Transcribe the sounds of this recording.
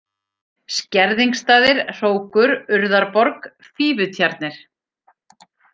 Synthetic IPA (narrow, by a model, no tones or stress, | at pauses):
scɛɾðiŋkst̪aːðɪɾ̥r̥oːwkʏɾʏɾðaɾpɔɾk | fiːvʏt̪ʰjaɾt̪nɪɾ̥